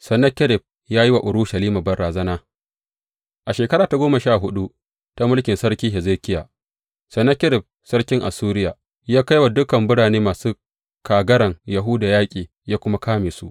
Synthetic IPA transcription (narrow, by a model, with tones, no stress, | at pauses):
sɛ˨nɐ˦kʲɪ˦ɾɪ˨b̚ | jaː˦ji˦wa˨ʔʊ˨ɾu˦ʃɐ˨liː˦maː˨bɐ˨rɽaː˨zɐ˦naː˦ | ʔa˨ʃeː˨kɐ˦ɾaː˨ta˨ɡʷoː˦mɐ˨ʃaː˦˨ɦʊ˦ɗu˦ | ta˦mʊ˦lkʲɪ˨nsɐ˦ɾkʲiː˦ɦɪ˨zeː˦kʲɪ˦ja̰ː˨ | sɐ˨nːɐ˦kʲɪ˦ɾɪ˨p̚ | sɐ˦ɽkʲɪ˦ŋʔa̰˨suː˦ɾɪ˦ja˨ | jaː˦ka˦jwa˨dʊ˦kɐ˨mbʊ˦ɽaː˨neː˦maː˨suː˦ | kaː˨ɡɐ˦ɽɐ˨ŋja˨ɦʊ˦daː˨jaː˦kʲʼiː˨ | jaː˦kʷʊ˦ma˦kʰaː˦meː˨su˦ʔ